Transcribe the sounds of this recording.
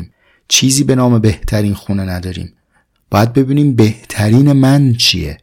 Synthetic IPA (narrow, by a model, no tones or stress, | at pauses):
m | t͡ʃʰiːziːbe̞nɒːme̞be̞ht̪ʰæɾiːnxuːnenæd̪ɒːɾḭːm | b̥ɒːjæd̪̚be̞biːniːmbe̞ht̪ʰæɾiːne̞mænt͡ʃʰḭjḛ